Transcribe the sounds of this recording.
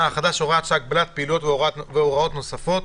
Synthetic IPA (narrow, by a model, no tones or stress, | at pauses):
aaχad̪aʃoʁeat̪ʃaɡ̚blat̪̚peilujo̞t̪veoveoʁao̞t̪no̞safo̞t̪